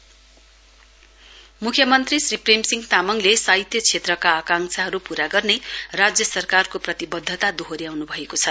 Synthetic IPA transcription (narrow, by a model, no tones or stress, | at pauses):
mukʰjʌmʌnt̪risripremsiŋɡt̪amʌŋlesaɦit̪jʌt͡sʰet̪rʌkaːkaŋsʰaɦʌɾupuɾaɡʌrnerad͡zjʌsʌrkarkoprʌt̪ibʌd̪ʱːʌt̪ad̪oɦoɾijawnubʱʌekot͡sʰʌ